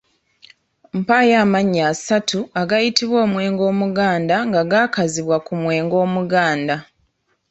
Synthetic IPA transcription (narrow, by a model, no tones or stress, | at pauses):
m̩pajaːmaɲːaːsatʰuaɡajitiβwo̞ːmwe̞ːŋɡo̞ːmuɡaːndaŋɡaɡaːkaziβwakumwe̞ːŋɡo̞ːmuɡaːnda